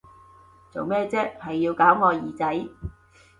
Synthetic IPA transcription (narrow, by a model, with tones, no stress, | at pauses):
t͡so̰˨wmɛː˥˧t͡sɛː˥hɐ˨jːiː˧wkaː˨˥wŋɔː˨˧jiː˨t͡sɐ˨˥j